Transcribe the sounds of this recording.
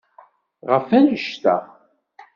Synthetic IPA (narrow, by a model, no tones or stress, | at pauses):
ʁəfænəʃt̪æ̰